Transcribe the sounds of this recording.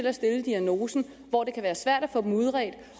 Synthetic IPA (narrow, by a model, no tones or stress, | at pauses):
elæsd̥e̝ləd̥iæno̝ːsn̩ | ʋɒ̰d̥e̝kʰæʋæːɐsʋæɐ̰d̥æfɔ̽ːd̥emuð̞ˠʁɛd̥